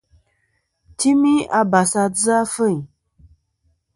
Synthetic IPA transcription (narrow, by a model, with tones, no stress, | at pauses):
ti˦mi˦a˨ba˨sa˨˧d͡zɨ˦a˦fə˦˨ɲ˨